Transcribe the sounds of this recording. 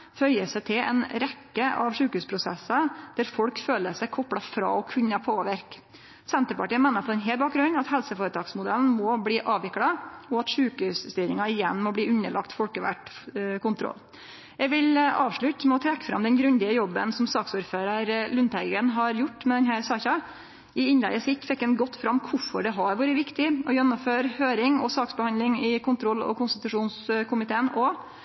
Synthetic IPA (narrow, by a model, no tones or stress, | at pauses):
fœʏəsæt̪ʰɪlɛ̰nɾɛkːəʔɑʋʂʉːkhʉːspʰɾʊsɛsːɑd̪̥æɾfɔɽkføːləsæɪkʰɔpɽɑfɾɑ̰ːɔkʰʉnːəpʰoːʋɪɾk | sɛnt̪əɾpɑʈiːəmɛːnəɾpʰɔɾɛnɦeːlbɑːk̚ɡɾʉnːɑt̪hɛlsəfoːɾət̪ʰɑːɡsmʊd̪ɛln̩mɔbliːʔɑːʋʋɪkɽɑɔɑt̪ʂʉːkʉsst̪yːɾɪŋɑɪjɛnːmɔbliːʉnəɭɑkt̪fɔlkəʋæ̰ʈkʊnt̪ʰɾɔ̰l | jɛʋɪlʔɑːʋʂɭʉt̪ːmɛɔt̪ʰɾɛkːə̥fɾɑ̰md̪ɛnɡɾʉnd̪ɪəjɔbːənsɔmsɑːksuːɾføːɾɑɾlʉnt̪æɪɡənɦɑɾjʊʈːmɛd̪ɛnɦæːɾsɑːçɑ | ɪɪnlɛ̰ɡəsɪt̪fɛkːɛnɡɔt̪ːfɾɑmːkʰʊfɔɖɛɦɑɾʋɑːɾəʋɪkt̪ɪɔjɛnːɔmføːɾhøːɾɪŋɔsɑːksbəhɑnd̪lɪŋɪkʰʊnt̪ʰɾɔlːɔ̰kʊnst̪ɪt̪ʉʂuːnskʰʊmɪt̪ʰeːənɔ